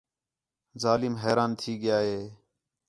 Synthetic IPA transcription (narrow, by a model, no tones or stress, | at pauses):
zaːlɪːmɦeːɾaːnt̪ʰiːɡɪjaːɦeː